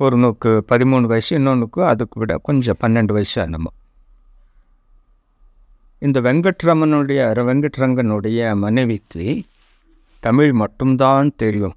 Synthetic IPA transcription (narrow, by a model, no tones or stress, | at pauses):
pɔɾɯnoːkːɯpɐðɪmuːɳɯʋɐjsɛnːoːnɯkːɯɐðɯkːɯʋɪɽɐ̰kɔɲd͡ʒɐ̃pɐnːɛɳɖɯʋɐjsɐ̰nɐ̰mːɐ̰ | ɪnd̪ɐʋɛŋɡɐʈːɾɐmɐnɯɽɐjɐɾʋɛŋɡɐʈːɾɐŋɡɐnɯɽɐjɐmɐnɛʋɪt̪ːi | t̪ɐmɪɻmɐʈːɯmt̪aːnt̪ɛɾɪjɯm